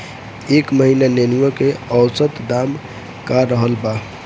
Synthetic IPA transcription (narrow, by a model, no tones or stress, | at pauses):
ekməɦinanenuəkeəʊsət̪d̪am | kaɾəɦəlba